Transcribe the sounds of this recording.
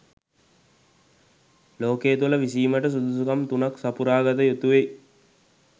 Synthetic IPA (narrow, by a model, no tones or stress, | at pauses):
loːkeːt̪̬uləʋisiːməʈəs̬ud̪usukamt̪unaksapuɾaːɡət̪əjut̪uʋe